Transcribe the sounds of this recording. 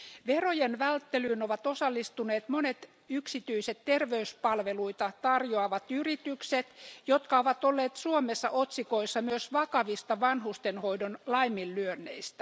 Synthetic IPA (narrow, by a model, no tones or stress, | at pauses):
ʋerojenʋælt̪ːelyːnoʋɑt̪osɑlːist̪uneːt̪monet̪ | yksit̪yiset̪tːerʋeyspɑlʋeluit̪ɑt̪ɑrjoɑʋɑt̪yrit̪ykset̪jot̪kɑoʋɑt̪olːeːt̪suomesːɑ̰ʔot̪sikoisːɑmyøsʋɑkɑʋist̪ɑʋɑnhust̪enhoidonlɑimːilːlyønːḛist̪æ̥